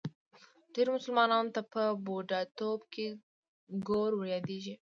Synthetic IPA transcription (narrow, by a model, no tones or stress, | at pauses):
ɖ̥eɾmʊsəlmɑnɑnot̪apəboɖat̪obkʰe | ɡoɾwaɾjɑd̪eʒi